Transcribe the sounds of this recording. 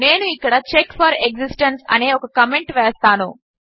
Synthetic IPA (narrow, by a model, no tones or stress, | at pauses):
ne̞ːnuikːɐɽɐt͡ʃekːfɐɾeɡsisʈensɐ̰neːɔkɐkɐmeɳʈʋɛːst̪aːnu